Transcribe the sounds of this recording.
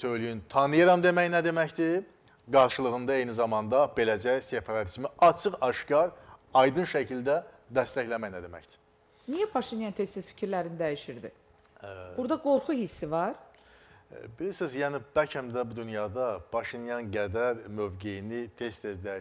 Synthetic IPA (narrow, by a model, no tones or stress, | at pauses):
sø̞jlyjynt̪ʰɑnɯjɑɾɑmd̪e̞mæjnæd̪e̞mæçd̪i | ɡɑɾʃɯlˠɯʁɯnd̪ɑejnizɑmɑnd̪ɑbe̞læd͡ʒæjse̞pʰɑɾɑt̪ʰizmiʔɑt͡ʃʰɯqɑʃcɑɾɑjd̪ɯnʃæcʰild̪æd̪æst̪æçlæmæjnæd̪e̞mæ̰çd̪i̥ | nijæpʰɑʃinjɑnt̪ʰest̪ʰesfi̥cʰiɾlæɾinid̪æjiʃiɾd̪ḭ | buɾd̪ɑɡo̞ɾχuhisːivɑɾ | bilisizjæːnib̥æɾcʰhæmd̪æbud̪ynjɑd̪ɑpʰɑʃinjɑnɡæd̪æɾmøvɡejinit̪ʰe̞st̪ʰezd̪æ